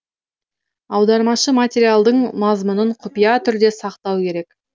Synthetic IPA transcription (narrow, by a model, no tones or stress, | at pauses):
ɑwd̪ɑɾmɑʃəmat̪ʲeɾijalˠd̪əɴmɑzmənəɴqʰʊpijɑt̪ʰʏɾd̪e̞sɑqt̪ɑwkʲʰe̞ɾe̞k